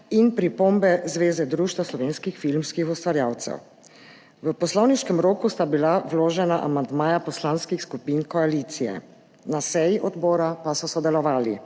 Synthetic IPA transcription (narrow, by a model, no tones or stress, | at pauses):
inpɾipoːmbɛzʋeːzɛd̪ɾuːʃt̪ʋaslɔʋeːnskixfilmskixust̪ʋaɾjaːwt̪sɛ̰w | ʋəpɔslɔwniʃkɛmɾoːkust̪abilawloːʒɛnaʔa̰mand̪maːjapɔslanskixskupiːnkɔaliːt̪sijɛ̰ | nasɛjiʔɔd̪bɔːɾapasɔsɔd̪ɛlɔʋaːlḭ